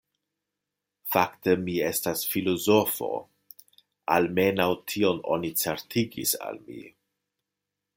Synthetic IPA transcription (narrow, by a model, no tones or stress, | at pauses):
faktemie̞stasfilo̞zofo̞̰ | alme̞nawtʰio̞no̞̰nit͡seɾtʰiɡḭsa̰lmḭ